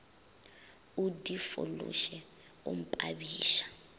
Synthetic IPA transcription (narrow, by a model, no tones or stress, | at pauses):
udifo̰lṵʃɛ | ṵm̩pʼaβiːʃḁ